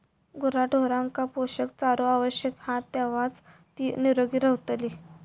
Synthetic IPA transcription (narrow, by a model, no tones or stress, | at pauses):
ɡuɾaʈoɾãŋkapoɕəkt͡saɾoaʋəɕjəkhãt̪aʋat͡s | t̪iːniɾoɡiːɾəɦt̪li